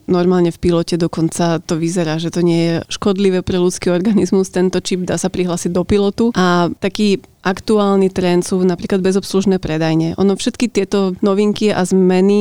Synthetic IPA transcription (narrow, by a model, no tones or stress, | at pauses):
nɔɾmaːlɲɛfpilɔcɛd̪ɔkɔnt͡sat̪ɔʋizɛɾaːʒɛt̪ɔɲɪɛjɛʃkɔd̪liʋɛːpɾɛlut͡skiːɔɾɡanizmust̪ɛnt̪ɔt͡ʃibd̪aːsapɾiɦlaːsiɟ̚d̪ɔpilɔt̪uʔat̪akiːʔakt̪uaːlnit̪ɾɛnt̪sunapɾiːklad̪bɛzɔpsluʒnɛːpɾɛd̪ajɲɛʔɔ̰nɔfʃɛt̪kit̪ɪɛt̪ɔnɔʋiŋkiʔa̰zmɛni